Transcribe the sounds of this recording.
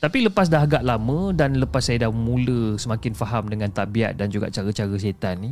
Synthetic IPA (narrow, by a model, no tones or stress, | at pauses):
t̪apiləpas̬daɦaɡaʔlamə̃danləpasːajədahmũləsəmãkɪnfaɦamdəŋãnt̪aʔbia̰ʔ̪̚dand͡ʒuɡa̰ʔt͡ʃaɾət͡ʃaɾəs̬et̪anːi